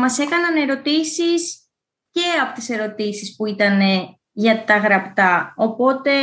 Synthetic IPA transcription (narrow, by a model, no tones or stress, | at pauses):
mɐse̞kɐnɐne̞ɾo̞t̪isis | ce̞ɐpo̞t̪ise̞ɾo̞t̪isispuit̪ɐne̞ | ʝɐt̪ɐɣɾɐpt̪ɐo̞po̞t̪e̞